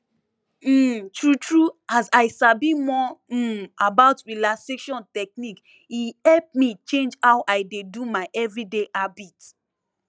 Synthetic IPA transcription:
tɹutɹuazaɪsabimɔ | abaʊtɹilaseʃɔ̃ntɛk̚nik | ihɛlp̚mit͡ʃẽnd͡ʒhawʔaɪdedumaɪʔɛvɹideʔabit

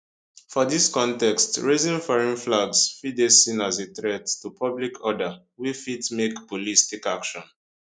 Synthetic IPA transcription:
fɔdiskɔ̃ntɛkstɹezĩnfɔɹĩnflaɡsfidesĩnazetɹɛdtupʰʌblikʰɔdə | wifitmekb̥olistikakʃɔ̃n

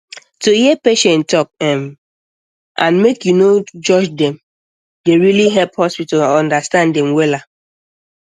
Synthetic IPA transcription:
tuhiɛpeʃɛ̃ntʰɔk̚ɛm | ʔãnmekjunod͡ʒɔd͡ʒdɛ̃m | deɹiliɦɛlphɔspitalɔ̃ndastãndɛ̃mwɛla

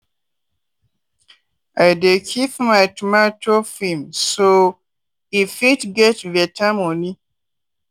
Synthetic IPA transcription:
ajdekʰipmaɪtumatʰofĩmso | ifitɡɛtvɛtʰamõni

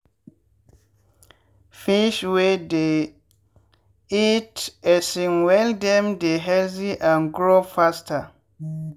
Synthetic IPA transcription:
fiʃwɛde | itɛsĩnwɛldɛ̃mdeɦɛlziʔãnɡɾofastʰa

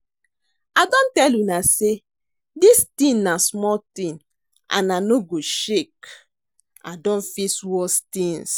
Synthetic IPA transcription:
adɔ̃ntɛljunase | distĩnnasmɔltĩn | ã̰nanoɡoʃek | a̰dɔ̃nfiswɔstĩns

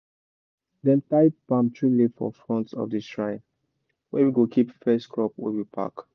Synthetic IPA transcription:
dɛ̃ntaɪt̚b̥ãmtʰɹilefɔ̰fɹɔ̃ntsɔ̰fdiʃɹãɪ̃n | wɛ̰̃wiɡokʰipfɛstkʰɹɔpwḭwipʰa̰k

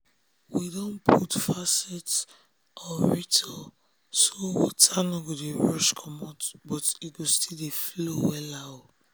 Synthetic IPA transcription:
widõnpʰutfasɛts | ʔɔɹitʰɔ | sowɔ̰tʰanɔɡodeɹɔʃkʰɔmatbɔtit̚ɡostʰileflowɛlaʊ

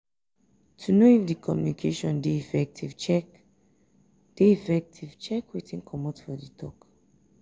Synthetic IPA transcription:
tʰunoifdikʰɔmjunikʰeʃɔ̃ndeifɛk̚tivt͡ʃɛ | d̥eifɛk̚tʰiv̥t͡ʃɛkwetĩnkʰɔmotfɔditʰɔk

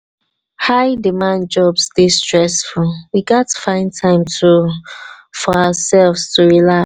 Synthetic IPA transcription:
haɪdimãn̚d͡ʒɔbsdistɹɛsfulwiɡatʰːu̥fãɪ̃ntʰãɪ̃mtʰu | fɔaəsɛlvstʰuɹila

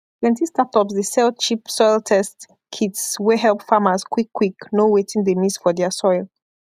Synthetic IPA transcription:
tʰwɛ̃ntistatɔpsdəsɛlt͡ʃipsɔjlˠtʰɛst | kʰidsweɦɛlˠpfaməzkwikʰːwiknowetĩŋdəmisfɔðɛəsɔɪlˠ

